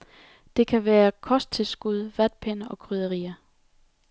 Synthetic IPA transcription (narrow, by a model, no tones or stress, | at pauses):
d̥e̝kʰæʋæːɐkʰɒ̽sd̥̚t͡sʰe̝lsɡ̥uð̞ˠʋæd̥̚pʰenəʔɒ̽kʰʁyðˠəʁḭːɐ